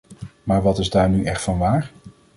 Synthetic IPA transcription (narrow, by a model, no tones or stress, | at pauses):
maːɹʋɑtɪzdaːɹnyʔɛχtfɑnʋaːɹ